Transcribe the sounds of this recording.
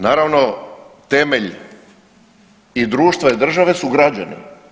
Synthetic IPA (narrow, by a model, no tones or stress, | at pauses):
naːɾaʋnot̪eme̞ʎ | id̪ɾuːʃt̪ʋaid̪r̩ʒaʋe̞suɡɾad͡ʑa̰nḛ